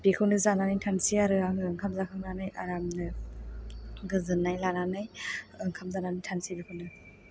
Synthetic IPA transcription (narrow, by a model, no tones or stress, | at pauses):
bekʰɯwnɯzananajtʰansiaɾɯaŋɯŋkʰamzakʰɯmnanajaɾamnɯ | ɡɯzɯnːajlananajɯŋkʰamzananajtʰansibikʰɯnɯ